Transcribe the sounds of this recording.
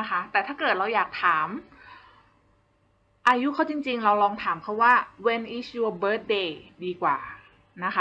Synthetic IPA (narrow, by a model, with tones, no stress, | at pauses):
na˦˥kʰa˦˥t̪ɛː˨˩t̪ʰaː˥˩kɤː˨˩t̪̚ɾa˧wjaː˨˩k̚t̪ʰaː˩˦m | ʔaː˧ju˦˥kʰa˦˥˩wt͡ɕi˧ŋt͡ɕi˧ŋɾa˧wlɔː˧ŋt̪ʰaː˩˦mpʰa˦˥waː˥˩we˧nʔi˦˥sʰu˧bɤː˦˥t̪̚deː˧diː˧kwa̰ː˨˩ | na˦˥xʰa˦